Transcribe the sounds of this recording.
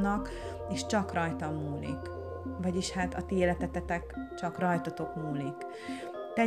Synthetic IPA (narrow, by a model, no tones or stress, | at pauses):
nɒk | eːʃt͡ʃɒkrɒjt̪ɒmːuːlḭk | vɒɟiʃhaːt̪ɒ̰t̪eːlɛt̪ɛt̪ɛt̪ɛkt͡ʃɒkrɒjt̪ɒt̪o̞kmuːlik | t̪ɛ